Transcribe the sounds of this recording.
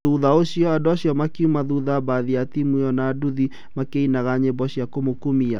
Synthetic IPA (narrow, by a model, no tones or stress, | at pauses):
uðaoɕiɔadɔaɕiɔmakiumaðuðabaðiatimweɔnaːduði | makeinaɣaɲebɔɕiakomokumia